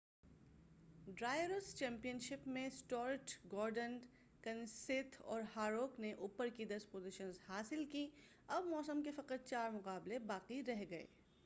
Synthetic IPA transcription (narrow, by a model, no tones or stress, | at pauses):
ɖɾaːɪjɾəst͡ʃɛ̃ːmpijənʃɪpmẽsʈɔːɾʈɡɔːɾɖən | kɐ̃nsɪt̪ʰɔ̰ːɾhaːɾoːkneʔʊːpəɾkid̪ɐspoːzɪʃənzhaːsɪlki | ɐbmɔːsəmkefɐqəɾ̚t͡ʃaːɾmʊqaːblebaːqiɾɛɦɡɐḛː